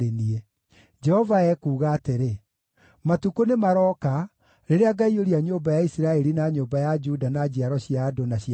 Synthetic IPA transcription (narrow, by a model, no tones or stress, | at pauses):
enie | d͡ʒɛhɔvaɛkuːɣaːteɾe | matukonemaɾɔːka | ɾeɾeaɡaioɾiaɲoːmbajaisiɾaɛɾinaɲoːmbajad͡ʒudanad͡ʑiaɾɔɕiadonaɕ